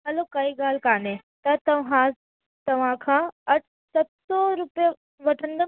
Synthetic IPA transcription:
ɦɐloːkɐiɡaːlkaːne | t̪ɐt̪ɐʋɦãː | t̪ɐʋãːkʰãɐʈ̚ʰ | sɐbsɔɾupe | ʋɐʈʰə̃nd̪ɐ

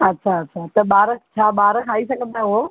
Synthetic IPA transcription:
ɐtːɕʰaɐtːɕʰat̪ɐbaːɾət͡ɕʰaːbaːɾəkʰaːisɐɡʱə̃nd̪ao

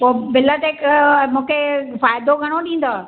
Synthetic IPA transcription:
poːbɪlət̪ekmũːkʰefaːjd̪oɡʱɐɽ̃oɗĩːn̆d̪oː

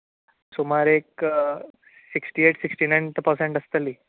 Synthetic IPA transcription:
somaɾek | siksʈiːeʈsiksʈiːnajnt̪pəɾsẽɳʈəst̪əliː

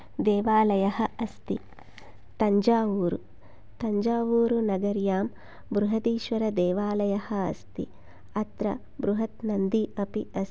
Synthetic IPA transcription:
d̪eːʋaːlɐjɐhɐɐst̪i | t̪ɐɲd͡ʒaːʋuːɾṵ | t̪ɐɲd͡ʒaːʋuːɾunɐɡɐɾjaːm | bɾuɦɐt̪iːʃʋɐɾɐd̪eːʋaːlɐjɐhɐɐst̪ḭ | ɐt̪ɾɐ̰ | bɾuɦɐt̪nɐnd̪iʔɐpiɐs

